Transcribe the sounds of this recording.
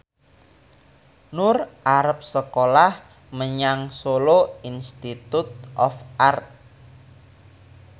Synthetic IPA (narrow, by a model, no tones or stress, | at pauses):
nʊrʔaɾəp̚səkolah | məɲaŋsoloinst̪it̪ut̪̚ʔɔfart̪̚